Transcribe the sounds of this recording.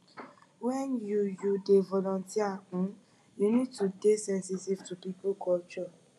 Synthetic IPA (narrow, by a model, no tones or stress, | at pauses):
wɛ̃njujudevɔlɔ̃ntiaũ | junid̚tudesɛ̃nsitivtupipukʰɔlt͡ʃɔ